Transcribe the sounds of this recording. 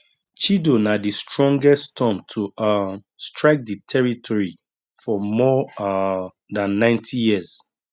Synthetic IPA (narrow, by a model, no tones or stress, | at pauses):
t͡ʃidonadistɹɔ̃ŋɡɛstʰɔ̃mtʰu | stɹaɪk̚ditʰɛɹitʰɔɹi | fɔmɔ | dãnːãɪ̃ntʰijiz̥